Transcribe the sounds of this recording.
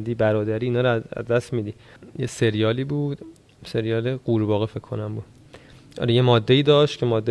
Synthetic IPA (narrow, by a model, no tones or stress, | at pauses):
d̪iːbæɾɒːd̪æɾiːnɒːɾoæ̰zd̪æst̪mid̪i | jese̞ɾijɒːliːbuːd̪̥ | se̞ɾijɒːleɢ̥uːɾbɒːɣefekʰːo̞næmbuːd̪̥ | ʔɒ̰ːɾejemɒːd̪ːe̞iːd̪ɒːʃt̪cʰe̞mɒːd̪ːe